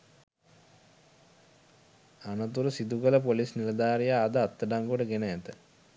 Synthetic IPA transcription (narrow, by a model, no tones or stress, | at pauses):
anət̪uɾəsid̪ukələpolisniləd̪aːɾijaːd̪əat̪ːəɖaŋɡoɖəɡenəæt̪ə